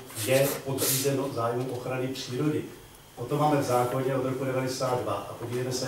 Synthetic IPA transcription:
jɛpod̪riːzɛnozaːjmuʔo̞xɾanɪpr̝̥iːɾo̞dɪ | ʔot̪omaːmɛvzaːklaɟɛo̞d̪ɾo̞kudɛvadɛsaːd̪dvaʔapoɟiːvejmɛsɛ

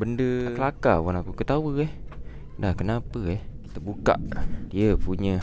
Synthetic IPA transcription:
bəndəəlakawanakukət̪awəɛh | dahkənapəɛhit̪əʔbuka̰ʔdiəpuɲə̃

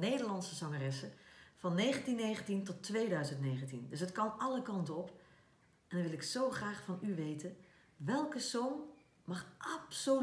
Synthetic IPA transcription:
neːdəɹlɑnsəzɔŋərɪsəfɑnːeːɣəntinːeːɣəntintɔtːʋeːdœɥzəntneːɣəntindɵs̬ɦətkɑmɑləkɑntɔp | ɛndnʋɪlˠɪksowχraːxfɑnyʋejtən | ʋɛlˠkəsoːm | mɑxʔapso

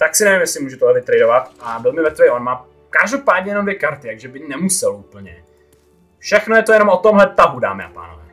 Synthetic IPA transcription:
t̪aksɪnɛvimjɛslɪmuːʒɛt̪oɦɛvɪt̪ɾɛjdovat̪ʔabɪlmɪvɛt̪vɛjʔonmaː | kaʒdopaːdɲɛjɛnomdvjɛkaɾt̪ɪjaɡʒɛbɪnɛmusɛlupl̩ɲɛ̰ | fʃɛxnojɛt̪ojɛno̞mʔot̪omɦlɛt̪aɦuda̰ːmɪʔa̰pa̰ːnovɛ̰ː

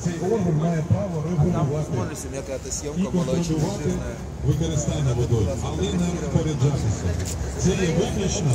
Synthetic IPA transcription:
t̪sɛjɔrɦʲɛnʲmajɛpɾaʋɔɾɪɦʊlʲʊʋat̪ɪ | ikɔnt̪ɾɔlʲʊʋat̪ɪ | ʋɪkɔɾɪst̪ajɛnɐʋɔd̪ɔjʲʊɐlˠɛnɛʋʲɔt̪ʲpɔɾʲed͡ʒat̪ɪsʲɐ̰t̪sɛjɛʋɪklʲɐt͡ʃnɐ

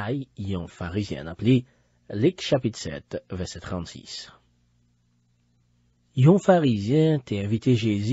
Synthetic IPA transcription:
ajjɔ̃faʁizjɛ̰̃naple | likʃapit̪sɛ̰t̪vɛʁsɛt̪χɑ̃t̪sḭs | jɔ̃faʁizjɛ̃t̪ɛɛ̃vit̪eʒez

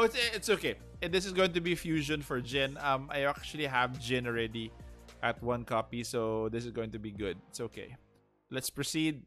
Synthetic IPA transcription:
oɪt̪sɛɪt̪soʊkej | ɛd̪ɪsɪsɡoːɪ̃ŋt̪ʊbifjuːʃɔ̃nfɔɹd͡ʒɪ̃nɐma̰jak̚t͡ʃʊɐliɦævd͡ʒɪ̃nɔɹɛd̪iʔɐt̪̚wɐ̃nkɑpisoðɪsɪsɡoːɪ̃ŋt̪ʊbiɡʊd̪̚ɪt̪soʊkḛj | lɛt̪spɹosid̪̚

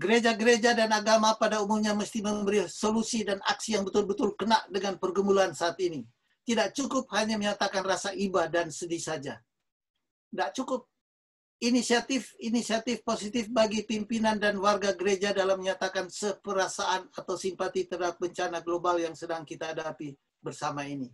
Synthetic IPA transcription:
ɡəɾed͡ʒaɡəɾed͡ʒadanaɡamapadaumumɲaməst̪iməmbəɾisolusidana̰ksijaŋbət̪ʊlbət̪ʊlkənaʔdəŋanpərɡəmulansaːt̪ini | t̪idaʔt͡ʃukʊp̚haɲaməɲat̪akanrasaʔibadansədisad͡ʒa | daʔt͡ʃukʊp̚ | inisiat̪ɪfinisiat̪ɪfposit̪ɪfbaɡipimpinandanwarɡaɡəɾed͡ʒadalamːəɲat̪akansəpəɾasaʔanat̪awsimpat̪it̪ərdaap̚bəɲt͡ʃanaɡlobaljaŋsədaŋkit̪ahadapi | bərsamaini

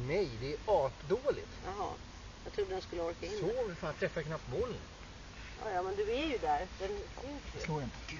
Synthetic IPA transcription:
nɛjd̪ɛːɾɑːʈd̪oːlɪ̰t̪jɑɦɑ̰ | jɑɡt̪ʰɾuːd̪əd̪ɛnskɵlːəɔɾkaɪnːovɪfaːt̪ʰɾɛfːaɛkʰnap̚t̪moːl | jɑ̰ːjɑːmɛnd̪ɵæɾjɵd̪æɾd̪ɛnkʰʊkjloːɪnt̪ə̥

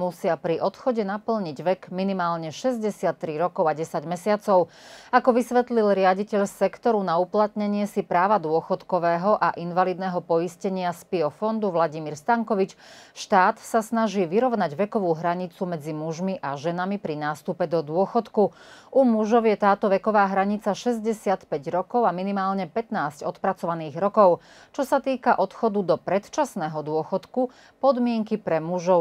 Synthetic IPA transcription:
musɪapɾiʔɔt̪xɔɟɛnapl̩ɲiɟʋɛkminimaːlɲɛʃɛzɟɛsɪat̪ːɾiɾɔkɔʊaɟɛsaɟmɛsɪat͡sɔʊ | akɔʋisʋɛt̪lilɾɪaɟicɛʎsɛkt̪ɔɾunauplat̪ɲɛɲɪɛsipɾaːʋad̪ʊɔxɔt̪kɔʋɛːɦɔʔaʔinʋalid̪nɛːɦɔpɔjiscɛɲɪaspiɔfɔnd̪uʋlaɟimiɾst̪aŋkɔʋit͡ʃʃt̪aːt̪sasnaʒiːʋiɾɔʋnaɟʋɛkɔʋuːɦɾaɲit͡sumɛd͡zimuʒmiʔaʒɛnamipɾinaːst̪upɛd̪ɔd̪ʊɔxɔt̪ku | ʔumuʒɔʊjɛt̪aːt̪ɔʋɛkɔʋaːɦɾaɲit͡saʃɛzɟɛsɪat̪pɛɟɾɔkɔʊaminimaːlɲɛpɛt̪naːscɔt̪pɾat͡sɔʋaniːɣɾɔkɔʊ | t͡ʃɔsat̪iːkaʔɔt̪xɔd̪ud̪ɔpɾɛt̪t͡ʃasnɛːɦɔd̪ʊɔxɔt̪ku | pɔd̪mɪɛŋkipɾɛmuʒɔʊ

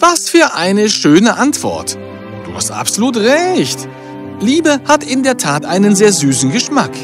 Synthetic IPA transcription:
vasfyːɐʔaɪnəʃøːnəʔantv̥ɔ̰ɐt | d̥uːha̰stʔa̰pz̥oluːtʁɛçt | liːbəhatɪndeːɐtʰaːtʔaɪnənzeːɐzyːsn̩ɡəʃmak

